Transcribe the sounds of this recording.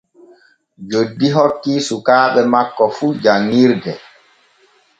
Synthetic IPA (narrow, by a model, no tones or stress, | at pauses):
d͡ʒodːiɦɔkːiːsukaːɓɛmakːɔfud͡ʒaŋːiɾɡɛ